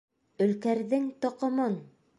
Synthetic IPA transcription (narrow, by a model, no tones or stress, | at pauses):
ɵ̆lkæɾðɘŋt̪ŏqɤ̆mɤn